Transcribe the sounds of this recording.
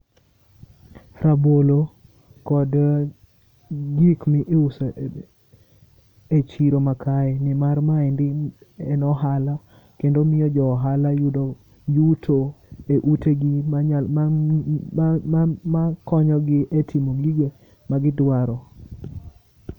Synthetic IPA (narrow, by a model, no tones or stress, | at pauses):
ɾabolo | kɔd | ɡikmɪʔeusa | et͡ʃiɾomakʰaɛnɪmarmaɛndɪɛnɔɦala | kendomɪjɔd͡ʒɔɦalajud | juutʰoeʔuteɡi | makɔɲɔɡɪʔetʰimoɡiɡe | maɡɪdwaɾɔ